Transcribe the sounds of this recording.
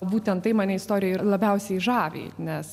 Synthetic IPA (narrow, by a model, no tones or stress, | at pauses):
buːt̪ʲɛnt̪tɐɪmɑːnʲɛɪst̪oːɾʲɪjɛɪlˠɐbʲɛʊsʲɛɪʒɑːʋʲḛːnʲɛs